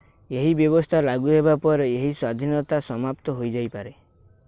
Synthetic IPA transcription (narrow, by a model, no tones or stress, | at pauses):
eɦibjɔbɔst̪ʰalaɡuɦebapɔɾeeɦiswad̪ʱinɔt̪asɔmapt̪ɔɦojd͡ʒajpaɾe